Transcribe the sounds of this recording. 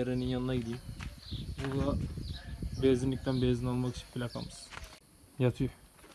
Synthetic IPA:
eɾeninjanɯnaɡid̪iim | bud̪a | bezinlʲicʲt̪ʰænbeːzinalˠmaki̥t͡ʃʰinpʰilʲakʰa̰mɯz̥ | jat̪ʰɯjo

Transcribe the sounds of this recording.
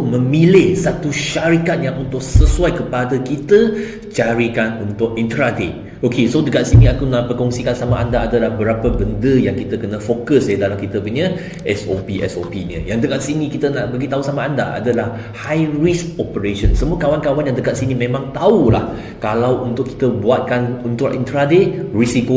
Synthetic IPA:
mə̃milɪhsat̪uʃaɾikat̪̚jaŋunt̪ʊk̚səsuajkəpadəkit̪ə | t͡ʃaɾikanunt̪ʊk̚int̪ɾade | ʔokesodəkat̪sinĩakunahpərkɔŋsikansamaʔandaːdəlahbəɾapəbəndəjaŋkit̪əkənə̃fokəsjədalamkit̪əpuɲə | ʔɛsopiʔɛ̰sopiɲə̰jaŋdəkaʔ̪̚sinĩkit̪ənaʔbaɡit̪ausamaːndaʔa̰dəlah | hajrisk̚ɔpəɾeʃənsəmuəkawankawanjaŋdəɡaʔ̪̚sinimẽmãŋt̪aulah | kalawunt̪ʊkːi̥t̪əbuat̪̚kanunt̪ʊʔḭnt̪ɾadeʔrisiko

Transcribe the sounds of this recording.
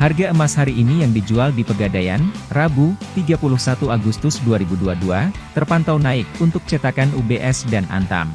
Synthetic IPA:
harɡaəmashaɾiːnijaŋdid͡ʒualdipəɡadajanrabut̪iɡapulʊhsat̪uaɡust̪ʊsduaɾibuduaduat̪ərpant̪awnaɪk̚unt̪ʊk̚t͡ʃɛt̪akanubeʔɛsdanʔa̰nt̪a̰m

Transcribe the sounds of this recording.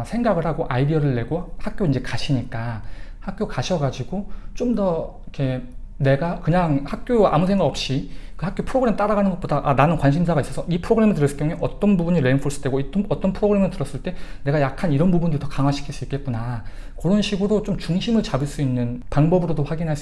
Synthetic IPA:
sʰe̞ŋɡaɡɯɭhaɡoʔaidiʌɾɯɭːe̞ɡohak͈̚joind͡ʑe̞kaɕʰiɲik͈ahak̚k͈jokaɕʰʌɡad͡ʑiɡot͡ɕomdʌikʰe̞ne̞ɡakɯɲaŋhak̚k͈joa̰musʰe̞ŋɡaʌp̚ɕ͈ikɯhak͈jopʰɯɾoɡɯɾe̞mt͈aɾaɡanɯnɡʌt̚podaʔananɯnkwanɕʰimsʰaɡais͈ʌsʰʌipʰɯɾoɡɯɾe̞mɯɭt̬ɯɾʌs͈ɯ̥kjʌŋeʔʌt͈ʌnbubuɲiɾempʰoɭs͈ʰɯ̥tde̞ɡoioʌt͈ʌnpʰɯɾoɡɯɾe̞mɯtɯɾʌs͈ɯɭt͈e̞ne̞ɡajakʰaniɾʌnbubundotʌkaŋɦwaɕʰi̥kʰiɭs͈uik͈e̞t̚k͈una | kɯɾʌnɕʰiɡɯɾot͡ɕomt͡ɕuŋɕʰimɯɭt͡ɕabɯɭs͈uinːɯnpaŋbʌbɯɾodoɸwaɡinɦaɭs͈

